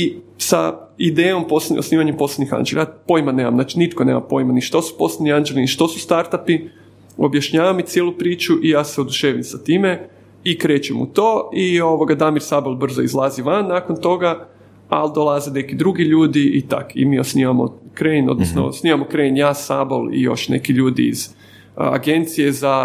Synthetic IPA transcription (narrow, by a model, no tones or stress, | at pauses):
isa̰id̪eːjo̞mpososniːʋaɲempo̞sled̪nixa̰nd͡ʒelajapo̞jimane̞ːma̰mnat͡ʃinit̪koneːma̰mpo̞jimaniʃt̪o̞su̥po̞sled̪niand͡ʒeliniʃt̪o̞sust̪aɾt̪api | objaʃɲaːʋamit̪sjelupɾiːt͡ʃuʔijaːseod̪uʃeːʋimsat̪iːme | ikɾet͡ʃemṵt̪o̞ːio̞ʋoɡad̪amiɾsabolˠbr̩zoizlˠaːziʋanːaːkont̪o̞ɡa | ald̪olˠazene̞kid̪ɾuɡiʎuːd̪iit̪a̰kḭmiːosniʋamo̰kɾeno̞d̪nosno̰o̰sniʋamokɾenjaːsabo̰lḭjo̞̰ʃnḛkiʎuːd̪ḭːz̥ | a̰ɡe̞nt̪sijeza